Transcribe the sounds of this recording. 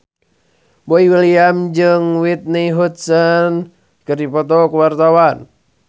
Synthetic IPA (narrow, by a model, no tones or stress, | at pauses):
boiwiliamd͡ʒɨŋwit̪̚niɦut̪̚sən | kɨrdipɔt̪ɔkuwart̪awan